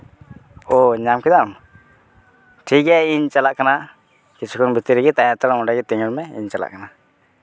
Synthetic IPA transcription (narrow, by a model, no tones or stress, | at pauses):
ɔɲamkɛd̪am | ʈʰikɛiɲt͡ʃalaʔkana | kit͡ʃʰukɔŋbit̪iɾiɡɛt̪ajat̪alɔmɔɖaɡɛt̪iɲulmɛḭɲt͡ʃala̰ʔkana